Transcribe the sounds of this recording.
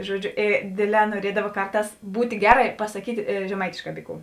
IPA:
ˈʒuɔˌd͡ʒʲʊ eː ˈdʲeːˌdʲlʲɛː nuɔˈrʲiɛdɐʋɐ ˈkɐrˌtɑːs ˈbuːtʲ ˈɡʲæːˌrɐ ɪ pɐsɐˈkʲiːtʲ ʒʲɛˈmɐɪtʲeːʃˌkɑː ˈbʲiː ˌkuː

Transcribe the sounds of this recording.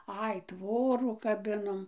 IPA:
ˈɐɪ ˈtʋoːruː kɐˈbʲɪnoːm

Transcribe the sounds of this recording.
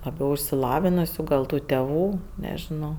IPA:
lˠɐˈbʲɛʊ ɪʃʲsʲɪˈlˠɑːʋʲɪnʊsʲʊ ɡɐlˠ ˈtuː tʲɛˈʋuː nʲɛʒʲɪˈnɐʊ

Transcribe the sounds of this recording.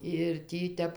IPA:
ɪr ˈtʲiː ˈtʲɛp

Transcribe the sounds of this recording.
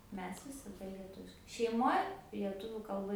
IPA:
ˈmʲɛs ʋʲɪsɐˈdɐ lʲiɛˈtʊʋʲɪʃkɐɪ ʃʲɛɪˈmoːj lʲiɛˈtʊʋʲuː kɐlˠˈbɐ

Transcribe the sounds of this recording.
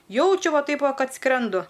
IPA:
ˈjɛʊt͡ʃʲʊ ˈʋɐ ˈtɐɪp ˈʋɐ ˈkɐt ˈskrʲɛndʊ

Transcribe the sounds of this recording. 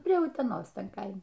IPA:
pʲrʲiɛ ʊtʲɛˈnoːs ˈtʲɛn ˈkɐɪmʲɛ

